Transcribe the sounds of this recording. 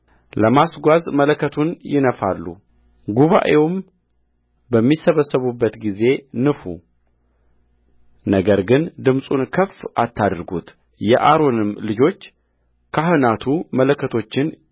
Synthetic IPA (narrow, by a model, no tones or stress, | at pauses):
ləmasɡʷazmələkːət̪ʰunjɪnəfa̰lːṵ | ɡuβa̰ʔe̞wm | bəmːisəβəsːəβubːət̪ɡize̞nɨfu | nəɡəɾɡɨnd̪ɨmsʼunkʰəfʔat̪ːad̪ɾɡut̪ | jɛ̰ʔaɾo̞nɨmlɨd͡ʒo̞t͡ʃː | kʰaɦɨnat̪ʰumələkːət̪ʰo̞t͡ʃːɪn